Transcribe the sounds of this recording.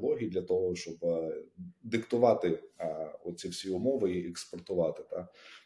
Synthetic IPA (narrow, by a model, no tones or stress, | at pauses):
lˠɔɦʲijid̪lʲɐt̪ɔɦɔʃt͡ʃɔb | d̪ɪkt̪ʊʋɑt̪ɪ | ɔt̪̚sʲiwsʲiʊmɔʋɪiekspɔrt̪ʊʋɑt̪ɪt̪ɑ